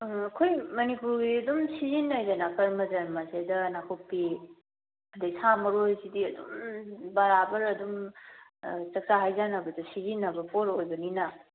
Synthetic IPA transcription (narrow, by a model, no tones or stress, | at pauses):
ɐkʰojmɐnipuɾɡiɐdumsizinajdɐnakʰɐɾmɐzɐɾmɐsedɐnakʰopːi | ɐdesamɐɾojzidiɐdṵmbɐɾabɐɾɐdum | t͡ʃɐk̚t͡ʃaɦajzanɐbɐdɐsizinːɐbɐpʰoɾojbɐninɐ